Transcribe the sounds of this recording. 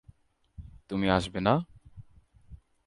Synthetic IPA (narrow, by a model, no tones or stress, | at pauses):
t̪umiaʃbena